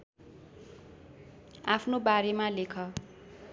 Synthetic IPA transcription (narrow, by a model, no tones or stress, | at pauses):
apʰnobaɾemalekʰʌ